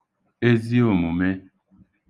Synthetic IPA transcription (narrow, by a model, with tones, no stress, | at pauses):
e˦zi˦o˨mu˨me˦